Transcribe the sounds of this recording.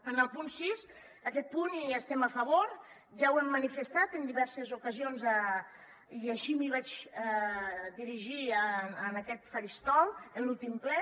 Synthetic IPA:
ənəlˠpunsis | əkɛt̪̚puniəst̪ɛməfəβ̞oɾ | ʒawɛmːənifəst̪at̪ənd̪iβɛɾsəzukəzionzə | iəʃimiβad͡ʒ | d̪iɾiʒiəənəkɛt̪fəɾist̪ɔlˠənlulˠt̪imklɛ

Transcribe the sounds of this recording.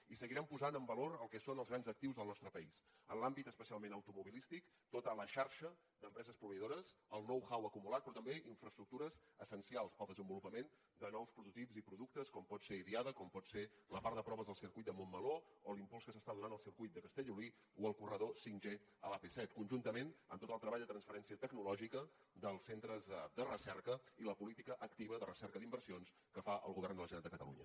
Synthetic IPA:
isəɣiɾɛmpuzanəmbəloɾəlˠkɛsonəlzɣɾanzək̚t̪iwzðəlˠnɔst̪ɾəpəisə̰nlambit̪əspəsialˠmenəwt̪umuβilist̪ik | t̪ot̪ələʃaɾʃə | d̪əmpɾɛzəspɾuβəiðoɾəzəlˠnɔwxawəkumulat̪̚pɾɔt̪əmbeʔiɱfɾəst̪ɾuk̚t̪uɾəzəsənsialˠspəlˠd̪əzəmbulupəmen | d̪ənɔwspɾut̪ut̪ipzipɾuðuk̚t̪əskɔmpɔt̪seiðiaðəkɔmpɔt̪seləpaɾəpɾɔβəzðəlˠsirkujt̪̚d̪əmomːəloolimpulˠskəsəst̪aðunanəlˠsirkujt̪̚d̪əkəst̪ɛʎuli | uəlˠkurəðosinʲʒe | əlapesɛt̪kunʲʒunt̪əmenə̰mt̪ot̪əlˠt̪ɾəβaʎjd̪ət̪ɾənsfəɾɛnsiət̪əɡnulɔʒikə | d̪əlˠsent̪ɾəzd̪ərəsɛrkəiləpulit̪ikəʔəkt̪iβəðərəsɛɾkəðimbərsions | kəfaʔə̰lˠɣuβɛrnd̪ələʒənat̪d̪əkət̪ə̰lṵɲə̰

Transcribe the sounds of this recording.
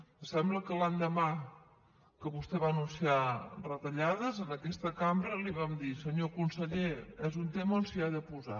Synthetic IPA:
sɛmbləkəlaɲd̪əma | kəβust̪ɛβanunsiarət̪əʎaðəzənəkɛst̪əkambɾəliβamd̪isəɲokunsəʎeɛzunt̪eməonsiaðəpuza̰

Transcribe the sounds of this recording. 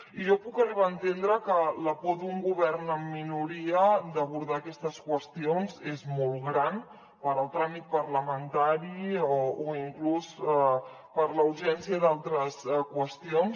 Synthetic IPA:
iʒopukəriβaənt̪end̪ɾəkələpod̪uŋɡuβ̞ɛrnəmːinuɾiəd̪əβuɾðaːkɛst̪əskwəst̪ionzezmɔlˠɣɾan | pəɾəlˠt̪ɾamit̪̚pəɾləmənt̪aɾioːiŋklusɛ | pəɾləuʒɛnsiəðalˠt̪ɾəskwəst̪ions

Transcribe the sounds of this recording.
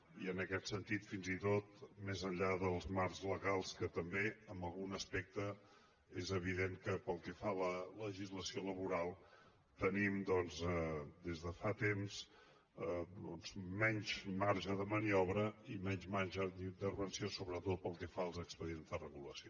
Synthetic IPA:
iənəkɛt̪sənt̪it̪finzit̪ot̪mezəɲʎaðəlˠzmarzləɣalˠskət̪əmbeəmbəlˠɣunəspɛk̚t̪ə | ezəβ̞iðeŋkəpəlˠkɛfalələʒizləsioləβuɾalˠ | t̪ənimd̪ɔnzd̪ezðəfat̪ems | əd̪ɔnzmɛɲʲzmaɾʒəðəməniɔβɾəimɛɲzmanʒəðint̪ərβənsiosoβɾət̪ot̪̚pəlˠkɛfaəlˠzəkspəðienzðərəɣuləsio

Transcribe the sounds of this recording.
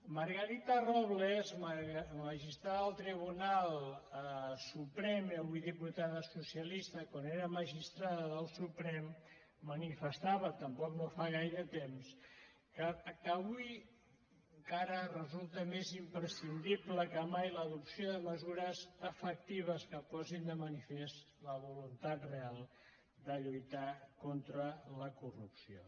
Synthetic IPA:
məɾɣəɾit̪ərɔβlzmməʒist̪ɾaðəlˠt̪ɾiβ̞unalˠ | supɾɛməβujðiput̪aðəsusjəlist̪əkwaneɾəməʒist̪ɾaðəðəlˠsupɾɛmː | ənifəst̪aβət̪əmpɔknofaɣ̞ajɾət̪ems | kəkəβuj | ŋkaɾərəzulˠt̪əmezimpɾəsind̪ibləkəmajləðupsjoðəməzuɾəzəfək̚t̪iβ̞əskəpɔzind̪əmənifes | ləβulunt̪at̪realˠ | d̪əʎujt̪akont̪ɾələkurupsio

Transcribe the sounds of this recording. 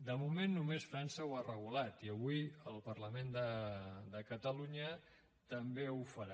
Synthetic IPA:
d̪əmumenːumesfɾansəwarəɣ̞ulat̪iəβ̞uiəlˠpəɾləmend̪əd̪əkət̪əluɲə | t̪əmbeufəɾa

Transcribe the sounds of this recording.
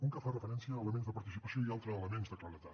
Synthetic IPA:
uŋkəfarəfəɾɛnsiəːləmenzðəpəɾt̪isipəsijoialˠt̪ɾəːləmenzðəkləɾət̪at̪

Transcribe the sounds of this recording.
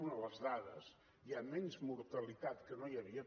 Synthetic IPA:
unələzðaðə̰z | iamɛnzmuɾt̪əlit̪at̪kənojɐβiə

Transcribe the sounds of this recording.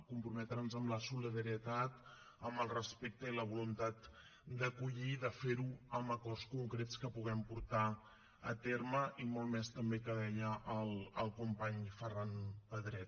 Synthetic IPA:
kumpɾumɛt̪ɾənzəmləsuliðəɾiət̪at̪ | əmbəlˠrəspek̚t̪əiləβ̞ulunt̪at̪ | d̪əkuʎiðəfeɾuəmbəkɔrskuŋkɾet͡skəpuɣ̞ɛmpuɾt̪a | ət̪eɾməʔimɔlˠmɛst̪əmbekəðɛʎəʔəlˠəlˠkumpaɲfəranpəðɾɛt̪

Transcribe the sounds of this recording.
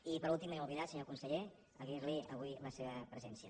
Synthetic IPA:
ipəɾulˠt̪iməmuβiðasəɲokunsəʎe | əɣirliəβujləseβəpɾəzɛnsiə

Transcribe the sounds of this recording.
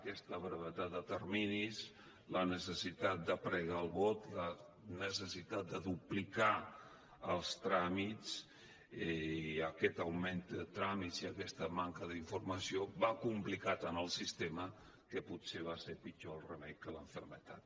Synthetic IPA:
əkɛst̪əβɾəβət̪at̪̚d̪ət̪əɾminis | lənəsəsit̪at̪̚d̪əpɾəɣaəlˠβot̪lə | nəsəsit̪at̪̚d̪əðuplika | əlˠst̪ɾamit͡s | əkɛt̪əwmend̪ət̪ɾamiziəkɛst̪əmaŋkəðiɱfurməsioβakumplikat̪ənəlˠsist̪emə | kəpuseβ̞asepit͡ʃoəlˠrəmɛjkələɱfəɾmət̪at̪̚

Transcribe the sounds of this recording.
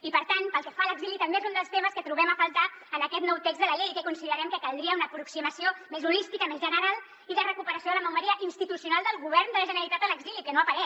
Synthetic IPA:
ipəɾt̪anpəlˠkɛfaləɡzilit̪əmbezund̪əlˠst̪eməskət̪ɾuβɛməfəlˠt̪aənəkɛt̪nɔwt̪eɡzðələʎejkəkunsiðəɾɛmkəkəlˠd̪ɾiəunəːpɾuksiməsiomezulist̪ikəmezʒənəɾalˠ | iðərəkupəɾəsjoðələməwməɾiəʔinst̪it̪usiunalˠd̪əlˠɣuβ̞ɛrnd̪ələʒənəɾəlit̪at̪ələɡzilikənoəpəɾɛ

